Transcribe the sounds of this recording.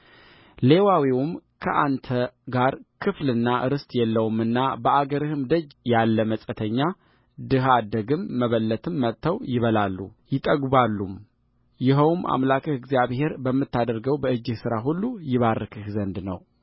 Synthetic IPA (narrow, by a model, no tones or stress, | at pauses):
le̞wawiwʊmkʰəʔant̪ʰəɡaɾkʰɨflɨnːaʔɨɾɨst̪ʼjɛlːəwumɨnːabəʔaɡəɾɨhɨmd̪əd͡ʒjalːəməsʼət̪ʰəɲːa | d̪ɨɦad̪əɡɨmːəβəlːət̪ʰɨmːət̪ʰːəwjɪβəlalːujɪt̪ʼəɡbalːum | jɪɦəwmʔa̰mlakʰəhɨɡzijaβhe̞ɾbəmːɨt̪ːad̪əɾɡəwbəɨd͡ʒːɪhsɨɾaɦulːujɪβarːɨkʰɨhzənd̪nə̰w